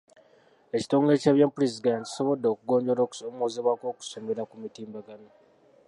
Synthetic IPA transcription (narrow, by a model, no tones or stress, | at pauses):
e̞ci̥to̞ːŋɡeecaβjapuɾezidantci̥so̞βo̞dːo̞kuɡo̞ːɲɟo̞ɾoomoːzeβwako̞ːku̥so̞me̞ɾakumitiːmbaɡano